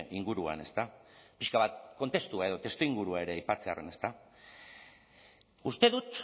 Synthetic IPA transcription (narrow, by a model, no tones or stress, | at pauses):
iŋɡuɾua̰ne̞st̪apiʃkaβat̪̚ko̞nt̪e̞st̪uae̞ðo̞t̪e̞st̪oiŋɡuɾuae̞ɾe̞ajpat͡se̞are̞ne̞st̪a | ust̪e̞ðut̪